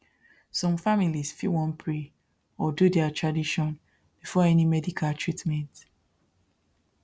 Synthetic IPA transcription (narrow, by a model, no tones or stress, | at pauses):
sɔ̃mfamilisfiwɔ̃npʰɹe | ɔdudɛatɹadiʃɔ̃n | b̥ifɔɛnimɛdikʰaltʰɹitmɛ̃nt